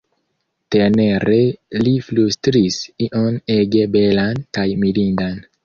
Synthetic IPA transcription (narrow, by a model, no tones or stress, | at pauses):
tene̞ɾeliflustɾisiʔone̞ɡe̞be̞lankajmilindan